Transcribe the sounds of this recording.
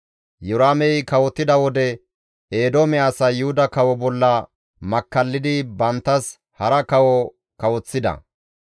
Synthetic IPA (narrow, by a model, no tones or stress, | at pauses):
jʊɾaːmɛjkɐwɔt̪ːɪd̪ɐwɔd̪ɛ | eːd̪omɛaːsɐjʊhʊd̪ɐkɐwɔbɔlːɐ | mɐkːɐlːɪd̪ɪbɐnt̪ːɐs | hɐɾɐkɐwɔ | kɐwɔt͡sːɪd̪ɐ̰